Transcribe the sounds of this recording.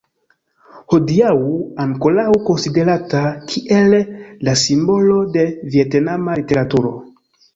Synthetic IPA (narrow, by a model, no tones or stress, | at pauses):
ho̞diauaŋko̞lawko̞nside̞ɾatakʰiʔelːasimbo̞lo̞de̞vie̞tnamalite̞ɾatuɾo̞̰